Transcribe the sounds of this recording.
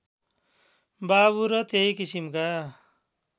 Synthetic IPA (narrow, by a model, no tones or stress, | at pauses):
baβuɾʌt̪eikisimka